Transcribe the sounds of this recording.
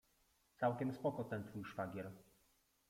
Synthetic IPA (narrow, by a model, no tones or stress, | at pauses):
t̪sawkʲɛmspɔkɔt̪ɛnt̪fujʂfaɡʲjɛɾ